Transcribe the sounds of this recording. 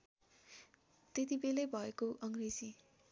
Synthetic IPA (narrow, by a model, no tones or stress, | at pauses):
t̪et̪ibelejbʱʌekoʔʌŋred͡zi